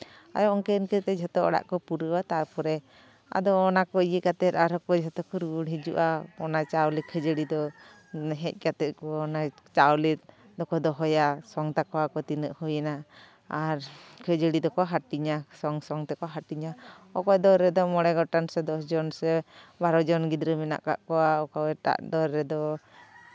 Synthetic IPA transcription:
a̰jɔɔŋkenkɛt̪ɛd͡ʒʱɔt̪ɔɔ̰ɽa̰ʔkɔpuɾəwat̪aɾpʰɔɾɛ | a̰d̪ɔːnakɔijəkat̪ɛt̪aɾɔkɔd͡ʒʱɔt̪ɔkɔɾuɽɦid͡ʒṵʔaɔnat͡ʃawlikʰəd͡ʒəɽid̪ɔ | ɦɛc̚ˀkat̪ɛt̪̚kɔːnat͡ʃawlit̪ | d̪ɔkɔd̪ɔɦɔjasɔŋt̪akɔwakɔt̪inəʔhujɛnaː | ɾkʰəd͡ʒəɽid̪ɔkɔaɦaʈiɲasɔŋsɔŋt̪ɛkɔaɦaʈiɲa | ɔkɔjd̪ɔɾɛd̪ɔmɔɽɛɡɔʈansɛd̪ɔsd͡ʒɔnsɛbaɾɔd͡ʒɔnɡid̪ɾəmina̰ʔka̰ʔkɔwaɔkɔwɛʈa̰ʔd̪ɔɾɛd̪ɔ

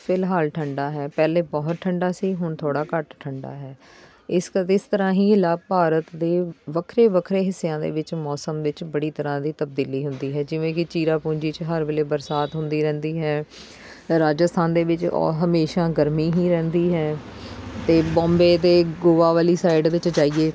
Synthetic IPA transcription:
pʰɪlɦaːlʈʰəɳɖaːɦɛːpɛːleːbɔːt̪̚ʈʰːəɳɖaːsiːɦʊɳt̪ʰoːɽaːkəʈʈʰəɳɖa̰ːɦɛː | ɪsɪst̪əɾãːɦiːɪlaːpaːɾət̪d̪eːʋəkʰɾeːʋəkʰɾeːɦɪsːjãːd̪ḛːʋɪt͡ʃmɔːsəmʋɪt͡ʃbəɽiːt̪əɾãːd̪iːt̪əb̚d̪iːliːɦʊnd̪iːɦɛːd͡ʒɪʋẽːkɪt͡ʃiːɾaːpũːɲd͡ʒiːt͡ʃɦəɾʋeːleːbəɾsaːt̪ɦʊnd̪iːɾɛ̃ːnd̪iːɦɛː | ɾaːd͡ʒəst̪ʰaːnd̪eːʋɪt͡ʃɔ̰ːɦəmeːʃaːɡəɾmiːɦĩːɾɛ̃ːnd̪iːɦɛː | t̪eːbɔ̃ːmbeːt̪eːɡoːʋaːʋaːliːsaːɪɖʋɪt͡ʃd͡ʒaːiːeː

